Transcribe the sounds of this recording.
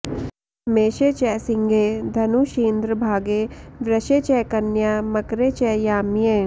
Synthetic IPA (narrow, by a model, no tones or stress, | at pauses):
meːʃeːt͡ʃɛːsɪŋɡʱeːd̪ʱɐnuʃeːnd̪ɾəbʱaːɡeːʋɾɐʃeːt͡ʃɛːkɐnjaːmɐkɾeːt͡ʃɛːjaːmjeː